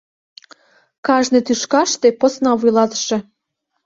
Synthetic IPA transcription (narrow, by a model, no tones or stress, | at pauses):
kɑʒnĕt̪yʃkɑʃt̪eposnɑβujlɑt̪ə̥ʃĕ